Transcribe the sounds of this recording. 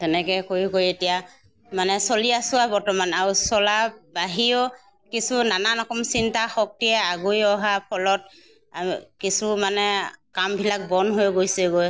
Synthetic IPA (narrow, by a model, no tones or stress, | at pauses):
tɛnɛkɛkoɹikojetija | manɛsoliasʊabɔɹtɔmanaɹusɔlabaɦio | kisunananɔkɔmsintaxɔk̚tijɛaɡujɔɦapʰɔlɔt̚ | kisumanɛkambʱilak̚bɔnɦojɡojsɛɡoj